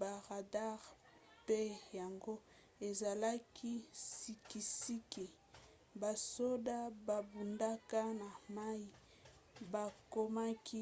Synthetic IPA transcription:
ba˨ʁa˨da˦ʁ | pe˦ja˨ŋɡo˦ | e˨za˨la˦kʰi˦si˨ki˨si˦ki˨ | ba˨so˦da˦ba˨bu˨nda˦ka˦na˨ma˦i˦ | ba˨ko˦ma˦kʰi˦

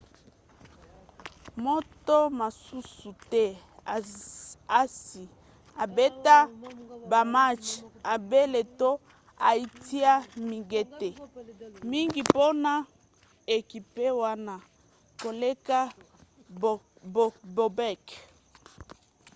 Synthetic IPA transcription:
mo˦to˦ma˨su˦su˨tɛ˦˨ | a˦si˨ | a˨be˦ta˦ba˨ma˦t͡ʃa˨be˦le˨to˦ | a˨i˦ti˦a˦mi˨ŋɡe˦te˨mi˦ŋɡi˨po˦na˦ | e˨ki˨pe˦wa˦na˨ | ko˨le˦ka˦˨ | bo˨bɛ˦˨k

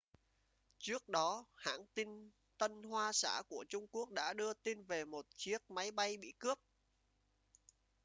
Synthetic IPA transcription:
t͡ɕɨ˦˥ək̚ɗɔ˨˦ha̰ː˧˥ŋt̪i˧n | t̪ə˧nhwaː˧sa̰ː˧˩ku˧˩ət͡ɕʊ˧ŋ͡mku˦˥ək̚ɗa̰ː˧˥ɗɨ˧ət̪i˧nve˨˩mo˨˩t̚t͡ɕi˦˥ək̚ma˨˦jɓa˧jɓḭ˧˨kɨ˦˥əp̚

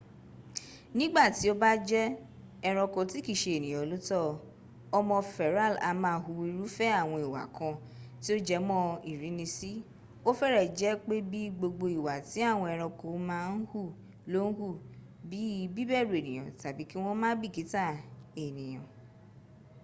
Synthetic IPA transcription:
nĩ˦ɡ͡ba˦˨ti˨˦o˦ba˦d͡ʒɛ˦ | ɛ˧ɾ̃ɔ̃˧kɔ˧ti˨˦ki˦˨ʃe˧e˨nĩ˨j̃ɔ̃˨˦lo˦tɔ˦ | ɔ˧mɔ̃˧fɛ˨ɾa˦˨la̰˧mãː˦hu˧wi˧ɾu˦fɛ˦a˦˨w̃ɔ̃˧i˨wa̰˨kʰã˧ | ti˦o˦d͡ʒɛ˧mɔ̃˦i˨ɾi˨˦nĩ˧si˦ | o˦fɛ˦ɾɛ˦˨d͡ʒɛ˦k͡pe˦bi˦ɡ͡bo˧ɡ͡bo˧i˨wa˨ti˨˦a˦˨w̃ɔ̃˧ɛ˧ɾ̃ɔ̃˧ko˧˨˦mãː˦n̩˦hu˦˨ | lo˦n̩˦hu˦˨ | bi˨˦bi˦bɛ˦˨ɾu˨e˨nĩ˨j̃ɔ̰̃˨ta˨bi˨˦ki˦w̃ɔ̃˦mãː˦bi˦˨ki˨˦ta˦˨e˨nĩ˨j̃ɔ̰̃˨

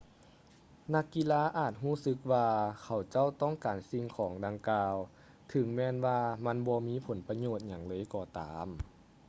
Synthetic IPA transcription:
na˧˥˩kːi˧˨laː˧˥ʔaː˨˩t̪̚ɦuː˥˩˨sɯ˧˦k̚waː˧kʰa˨˩wt͡ɕa˥˨wt̪ɔː˥˩˨ŋkaː˨˩nsi˧ŋkʰɔː˩˦ŋda˧ŋkaː˧w | t̪ʰɯ˨˩˦ŋmɛː˧˥nwaː˧ma˧˥˨nbɔː˧miː˧˥pʰo˩˦npa˧ɲoː˧˩t̪̚ɲa˨˩ŋlɤː˧˨jkɔː˧˩t̪aː˨˦m

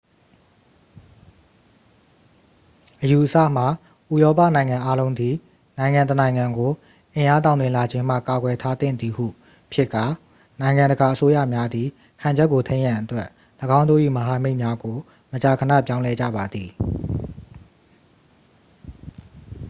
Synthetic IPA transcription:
ʔəju˨ʔəsa̰˦˨m̥a˨ | ʔu˨jɔ˦pä̰˦˨nã˨ɪ̃ŋã˨ʔa˦lõ˦ʊ̃nd̪i˨ | nã˨ɪ̃ŋã˨ntənã˨ɪ̃ŋã˨ŋɡo˨ | ʔɪ̃˨ʔa˦t̬ã˨ʊ̃nt̪ɪ̃˨la˨d͡ʑɪ̃˦m̥a̰˦˨ka˨ɡwɛ˨tʰa˦t̪ɪ̰̃˦˨d̪ði˨hṵ˦˨ | pʰjɪ˦kːa˨ | nã˨ɪ̃ŋã˨ndə˨ɡa˨ʔəso˦jä̰˦˨mja˦d̪ði˨ | hã˨ɲd͡ʑɛ˦ʔkːo˨tʰẽ˦ɪ̃jã˨ʔətwɛ˦ʔ | ləɡã˦ʊ̃ndo̰˦˨ʔḭ˦˨məɦa˨me˦ɪʔmja˦ɡo˨ | mət͡ɕa˨kʰənä̰˦˨pjã˦ʊ̃lɛ˦d͡ʑa̰˦˨ba˨d̪ði˨

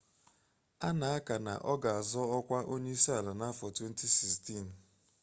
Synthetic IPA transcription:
a˦na˨a˦ka˨na̰˨ʔɔ˦ɡa˨a˨zɔ˦ɔ˦kʷa˦ʔo˦ɲe˦i˦si˦a˨la˨na˦fɔ˨twe˦n̩˦ti˦si˨sti˦˨n̩˨

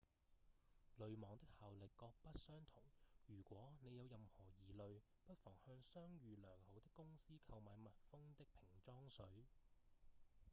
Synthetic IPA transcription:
lɵ˨ɥmɔː˨˩ŋt̪ɪ˥k̚haː˨wlɪ˨kːɔː˧k̚pɐ˥t̚sœː˥ŋt̪ʰʊ˨˩ŋjyː˨˩kʷwɔː˨˥ne˨˧jɐ˨˧wjɐ˨mhɔː˨˩jiː˨lɵ˨ɥ | pɐ˥t̚fɔː˨˩ŋhœː˧ŋsœː˥ŋjyː˨lœː˨˩ŋho˨˥wt̪ɪ˥kːʊ˥ŋsiː˥kʰɐ˧wmaː˨jmɐ˨t̚fʊ˥ŋt̪ɪ˥k̚pʰɪ˨˩ŋt͡ʃɔː˥ŋsɵ˨˥ɥ

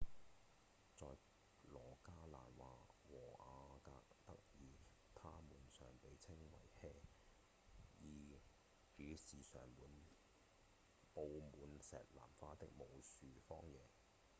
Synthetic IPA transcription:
t͡sɔː˨j | lɔː˨˩kaː˥la̰ː˨˩nwaː˨˧wɔː˨˩ʔaː˧kaː˧k̚t̪ɐ˥k̚jiː˨ | t̪ʰaː˥muː˨˩nsœː˨˩ŋpe˨˧jt͡sʰɪ˥ŋwɐ̰˨˩jhɛː˥ | jiː˨˧ | t͡syː˨˥siː˨sœ̰ː˨˩ŋmuː˨n | po˨wmuː˨˧nsɛ̰ː˨t̚la̰ː˨˩mfaː˧t̪ɪ˥k̚mo˨˧wsyː˨fɔː˥ŋjɛː˨˧

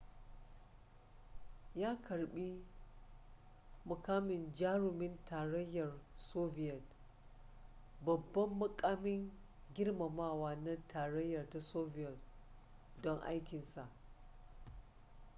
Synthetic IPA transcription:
jaː˦kʰɐ˨ɽɓi˦ | mʊ˨kaː˦mɪ˨nd͡ʒaː˦ɽʊ˨mɪ˦ntaː˨ɽɐ˦jːɐ˨rsoː˦bɪ˨jɐ˨t̚ | bɐ˨bːɐ˦mːʊ˦kʼaː˦mɪ˦ŋ | ɡʲɪ˦rma˨maː˦waː˦na˦tʰaː˨ɽɐ˦jːɐ˨rta˦soː˦vɪ˦jɐ˨t̚ | dɔ˦ŋʔa̰˦jkʲɪ˨nsa˨ʔ

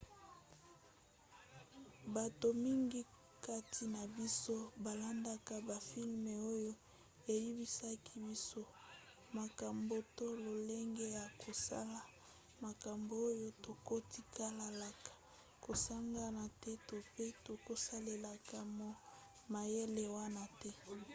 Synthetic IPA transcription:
ba˨to˨mi˦ŋɡi˦ | ka˦tʰi˨na˨bi˦so˦ba˨la˦nda˦ka˨ba˨fi˦lme˨o˦jo˦ | e˨ji˦bi˦sa˦kʰi˦bi˦so˦ | ma˨ka˨mbo˨to˦lo˨le˦ŋɡe˦ja˨kʰo˨sa̰˦la˨ | ma˨ka˨mbo˨o˦jo˦to˨ko˦ti˦ka˦la˨la˨kḁ˨ | ko˨sa˦ŋɡa˦na˨tɛ˦to˨pe˦to˨ko˦sa˦le˨la˨ka˨mo˨ | ma˨je˦le˨wa˦na˨tɛ˦

